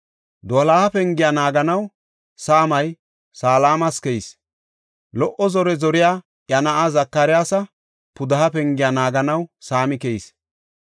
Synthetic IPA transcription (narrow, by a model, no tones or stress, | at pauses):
d̪ɔlaːhɐpɛŋɡɪjanaːɡɐnɐw | saːmɐj | saːlaːmɐskɛis | lɔʔɔzɔɾɛzɔɾɪjaː | ʔjɐnɐʔazɐkːaɾɪjaːsɐ | pʊd̪ɐhɐpɛŋɡɪjanaːɡɐnɐwsaːmɪkɛjis